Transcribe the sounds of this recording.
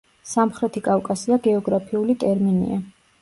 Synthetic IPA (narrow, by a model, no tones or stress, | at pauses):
samχɾɛt̪ʰikʼavkʼasiaɡɛɔɡɾapʰiulit̪ʼɛɾminḭa